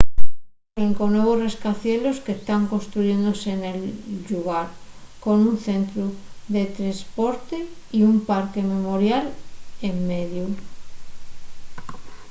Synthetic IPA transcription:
eŋkonweβ̞osre̞skaθje̞lo̞skest̪aŋko̞nst̪ɾuʝẽ̞nd̪ose̞ne̞lʎuɣ̞aɾko̞nunθe̞nt̪ɾuðe̞t̪ɾespoɾt̪e | iumpaɾke̞me̞mo̞ɾjalemːeðju

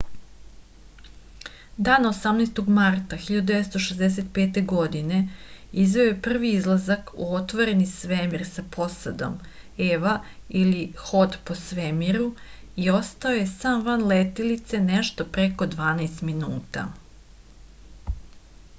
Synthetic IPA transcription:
d̪aːnaosamnajst̪o̞ɡmaɾt̪axiʎad̪ud̪eʋest̪o̞ʃezd̪eset̪pe̞ːt̪e̞ɡo̞d̪ine̞izʋe̞ojepr̩ʋiizlˠazakṵo̞t̪ʋoɾe̞nisʋemiɾsapʰo̞sad̪o̞̰m | eʋailixo̞d̪po̞sʋemiɾu | io̞st̪ao̞je̞saːmʋanlet̪ilit̪se̞neʃt̪o̞pɾeko̞d̪ʋaːnajst̪minuːt̪a̰

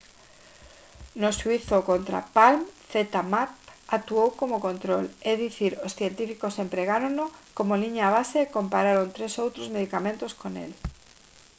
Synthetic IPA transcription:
nosuiθokont̪ɾa̰palmθet̪amapak̚t̪uowkomokõnt̪ɾoleðiθiɾosθje̞nt̪ifikose̞mpɾeɣaɾonokomoliɲaːβ̞aseko̞mpaɾaɾont̪ɾesowt̪ɾozme̞ð̞ikamẽnt̪oskonḛl

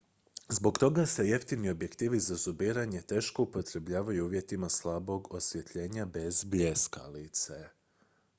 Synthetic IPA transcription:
zbo̞ɡt̪o̞ɡase̞je̞ft̪inio̞bje̞kt̪iːʋizazubiːɾaɲe̞t̪e̞ːʃko̞upo̞t̪ɾe̞bʎaːʋajuuːʋje̞t̪imaslˠabo̞ɡo̞sʋje̞t̪ʎe̞ːɲabe̞zbjeska̰lit̪se

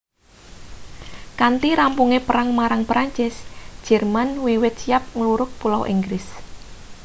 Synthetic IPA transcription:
kant̪iɾampuŋepəɾaŋmaɾaŋpɾaɲt͡ʃɪsd̥ʒ̥ɛrmanwiwɪt̪̚sijap̚ŋəluɾʊk̚pulawʔiŋɡɾɪs

